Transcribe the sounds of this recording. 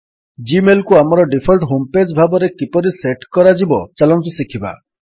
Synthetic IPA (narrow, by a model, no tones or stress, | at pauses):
d͡ʒimelkuamɔɾɔɖipʰɔlʈɦomped͡ʒbʱabɔɾekipɔɾiseʈkɔɾad͡ʒibɔt͡ʃalɔnt̪usikʰiba̰